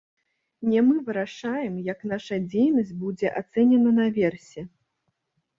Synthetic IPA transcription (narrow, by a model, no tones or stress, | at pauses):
nʲɛmɨvɨɾaʂajɛmjɐknaʂɐd͡zʲejnɐsʲt͡sʲbud͡zʲɛʔat̪sɛnʲɛnɐnɐvʲɛrsʲɛ